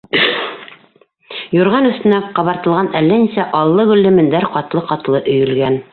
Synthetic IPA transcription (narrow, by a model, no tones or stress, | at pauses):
jŏɾʁɑnɵ̆st̪ɘ̆næqɑβɑɾt̪ɤ̆lˠʁɑnælːænisæʔɑlˠːɤɡɵ̆lːɘ̆mɘ̆nd̪æɾqɑt̪lˠɤqɑt̪lˠɤʔɵ̆jɵ̆lɡæn